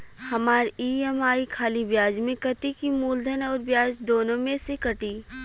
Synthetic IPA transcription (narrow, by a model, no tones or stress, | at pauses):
hɐmaːɾiːɛmaːikʰaːlibjaːd͡ʒmẽkɐt̪ikimuːld̪ʱənɔːɾbjaːd͡ʒd̪oːnõmẽsekɐʈiː